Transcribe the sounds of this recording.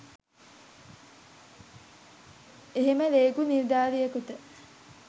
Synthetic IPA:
eɦeməleːkuniɾd̪aːɾijəkut̪ə

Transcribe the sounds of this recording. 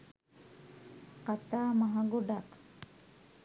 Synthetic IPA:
qat̪amaɦaɡuɖak

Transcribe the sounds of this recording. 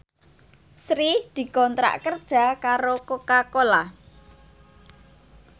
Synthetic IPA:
sɾid̪̥i̤kɔnt̪ɾa̰ʔkərd̥ʒ̥a̤kaɾokokakola

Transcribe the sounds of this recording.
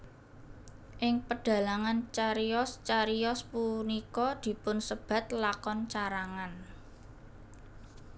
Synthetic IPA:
ʔɪŋpəɖ̥ä̤laŋant͡ʃaɾiɔst͡ʃaɾiɔspunikɔd̪̥i̤pʊnsəb̥ä̤t̪̚lakɔnt͡ʃaɾaŋan

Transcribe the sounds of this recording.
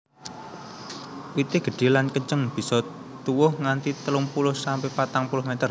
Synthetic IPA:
wit̪ɪɡ̥ə̤ɖ̥e̤lankəɲt͡ʃəŋb̥i̤sɔ | t̪uwʊhŋant̪it̪əlumpulʊhsampepat̪aŋpulʊhmet̪ər

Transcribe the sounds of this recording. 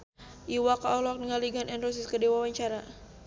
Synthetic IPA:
ʔiwakaɔlɔk̚dəŋaliɡanɛnros̬iskədiwawaɲt͡ʃaɾa

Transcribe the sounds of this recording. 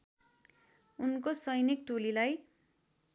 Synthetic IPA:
unkosʌjnik̚t̪ulilaj

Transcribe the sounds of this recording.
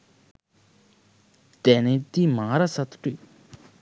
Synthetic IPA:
t̪ɛnɛt̪imaŋaɾasat̪u̥ʈ͡ʂøʔ

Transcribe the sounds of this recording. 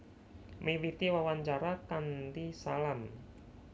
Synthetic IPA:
miwit̪iwawaɲt͡ʃaɾakand̪isalam

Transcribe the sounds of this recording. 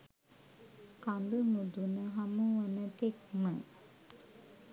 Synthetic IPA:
kand̪umud̪unəɦamuʋɐnət̪ek̚mə

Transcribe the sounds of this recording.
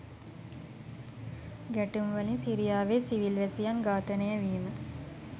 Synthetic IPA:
ɡæʈumʋəlinsiɾijaːʋeːsiʋilʋæsijanɡaːt̪ənəjəʋiːmə

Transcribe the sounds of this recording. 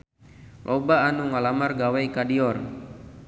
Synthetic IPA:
lʔɔbaːnuŋalamarɡawajkadiɔr

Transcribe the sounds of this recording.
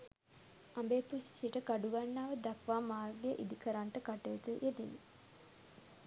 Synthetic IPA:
ambeːpussiʈəkaɖuɡanːaːʋəd̪akʋaːmaːrɡejʔid̪ikəɾaɳʈəkaʈəjət̪uʔed̪in

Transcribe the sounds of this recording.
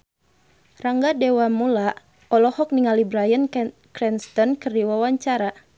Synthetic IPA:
raŋɡadɛwamula | ɔlɔhɔk̚niŋalibɾajən | kɾɛnst̪ɔnkɨrdiwawaɲt͡ʃaɾa

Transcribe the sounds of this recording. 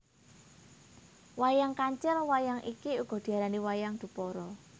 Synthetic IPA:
wajaŋkaɲt͡ʃɛlwajaŋʔikiuɡ̥ɔ̤d̪̥i̤aɾaniwajaŋd̪̥ṳpɔɾɔ

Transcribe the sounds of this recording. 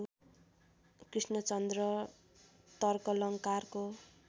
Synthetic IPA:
krisnʌt͡sʌnd̪rʌ | t̪ʌrkʌlʌŋkarko

